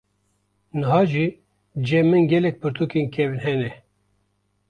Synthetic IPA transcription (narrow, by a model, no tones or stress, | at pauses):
nɨɦɑːʒi | d͡ʒɛmɨnɡɛlɛk̚pɨɾt̪ʰukinkʰɛvɨnhɛnɛ